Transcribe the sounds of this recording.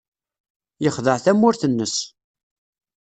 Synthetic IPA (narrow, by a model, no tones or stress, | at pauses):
jəχðəʕθæmːʊɾθənːəs